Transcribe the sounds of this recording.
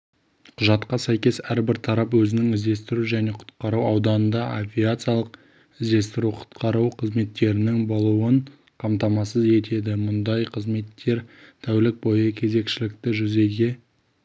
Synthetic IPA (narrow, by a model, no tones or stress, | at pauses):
qʰʊʒɑt̪qɑsæjkʲe̞sæɾbɪɾt̪ʰɑɾɑpwɵzɪnɪŋɪzd̪e̞st̪ɪɾuʒæne̞qʰʊ̥t̪qɑɾuɑwd̪ɑnənd̪ɑʔovʲijat̪sɨjalˠəq | ɪzd̪e̞st̪ɪɾuqʰʊ̥t̪qɑɾuwqʰəzme̞t̪ːe̞ɾɪnɪŋbolˠuwəɴ | qʰɑmt̪ɑmɑsəze̞t̪ʰe̞d̪ɪmʊnd̪ɑjqʰəzme̞t̪ʰːe̞ɾt̪ʰæwlɪk̚bo̞jəkʲʰe̞ze̞kʃɪlɪkt̪ɪʒʏze̞ɡʲe̞